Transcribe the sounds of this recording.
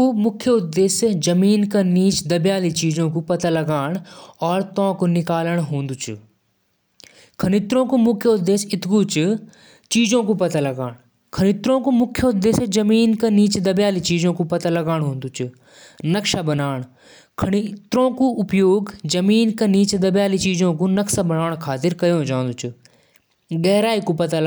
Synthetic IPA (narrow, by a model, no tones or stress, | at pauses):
umʊkʰjəʊd̪ːeːsjd͡ʒɐmiːnkaniːt͡ʃd̪ɐbjaːlit͡ʃiːzõkupɐt̪alɐɡaːɳ̃ɔːɾt̪ɔ̃ːkonɪkaːləɽ̃ɦõːnd̪ut͡ʃṵ | kʰɐñɪt̪ɾõkumʊkʰːjəʊd̪ːeːsɪt̪kut͡ʃ | t͡ʃiːd͡ʒõkupɐt̪alɐɡaːɽ̃ | kʰɐɽ̃ɪt̪ɾõːkumʊkʰjod̪eːsd͡ʒɐmiːnkɐniːt͡ʃd̪ɐbjaːlit͡ʃiːzõkupɐt̪alɐɡaːɽ̃ɦũːnd̪ʊt͡ʃʊ | nɐkʃabɐnaːɽ̃ | kʰɐɽit̪ɾõkuʊpjoːɡd͡ʒɐmiːnkɐniːt͡ʃd̪ɐbjaːlit͡ʃiːzõkunɐksabɐnaːɽ̃kʰaːt̪ɪɾkɐjõd͡ʒãːn̆d̪ʊt͡ʃʊ | ɡɛɦɾaːikupɐt̪al